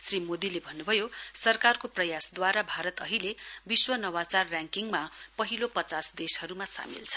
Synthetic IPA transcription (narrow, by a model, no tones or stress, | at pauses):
srimod̪ilebʱʌnːubʱʌjosʌrkarkoprʌjasd̪waɾabʱaɾʌt̪ʌɦilebiswʌnʌwat͡sarːãŋkiŋmapʌɦilopʌt͡sasd̪eshʌɾumasa̰mḭlt͡sʰʌ̥